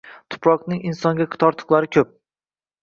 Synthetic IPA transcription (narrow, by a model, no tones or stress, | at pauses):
t̪ʰʊ̥pɾɒqnɪŋɪnsɒŋɡʲakʰt̪ʰɒɾt̪ʰɨ̥qlˠaɾɪkʲʰɵp̚